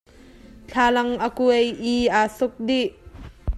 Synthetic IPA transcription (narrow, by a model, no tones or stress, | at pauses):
t͡ɬʰaːlɐŋʔəkuejʔiaːsʊk̚diʔ